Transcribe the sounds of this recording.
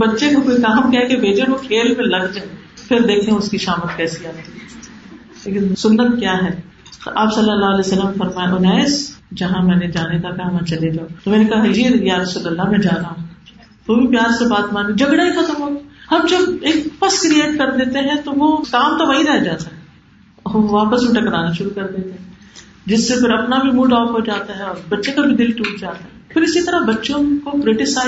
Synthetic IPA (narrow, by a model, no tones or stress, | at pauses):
bɐtːʃekokoikaɦəmkɛɦkebʱeːd͡ʒeʋokʰeːlmẽlɐɡd͡ʒe | pʰɪɾd̪eːkʰẽʊskiʃaːmət̪kɛːsiaːt̪i | leːkɪnsʊnːət̪kjaːɦɛː | t̪o̰ʔaːpsɐlːəlːaːlɛsɐlːəmfɐɾmaːjaʔʊnɛːsd͡ʒɐɦãmɛ̃ːned͡ʒaːnek̪akɐɦmɛ̃t͡ʃɐled͡ʒaːot̪omɛːnekɐɦajejaːɾɐsuːlɐlːamɛ̃d͡ʒaːɾɐɦa | ʋobʱipjaːɾsebaːt̪maːnĩd͡ʒɐɡɽaɦikʰat̪omoːhɐmd͡ʒɐbeːkfɐskɾieːʈ̚kɐɾd̪eːt̪eɦɛ̃t̪oʋokaːmt̪oʋɐɦĩɾɛɦd͡ʒaːt̪aɦɛ | ɔːʋaːpəsmeʈɐkɾaːnaʃʊɾukɐɾd̪eːt̪eɦɛ̃ | d͡ʒɪsːefɪɾɐpnabʱimũːɖɔːfɦod͡ʒaːt̪aɦɛɔːɾbɐtːʃẽkabʱid̪ɪlʈuːʈ̚d͡ʒaːt̪aɦɛ̃pʰɪɾɪsit̪ɐɾabɐtːʃõkokɾeʈɪsaː